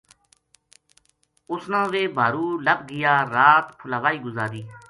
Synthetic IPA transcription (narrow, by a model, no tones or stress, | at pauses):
ʊsnãːʋeːbʱaːɾuːləbɡɪjaːɾaːt̪pʰʊlaːʋaːiːɡʊzaːɾiː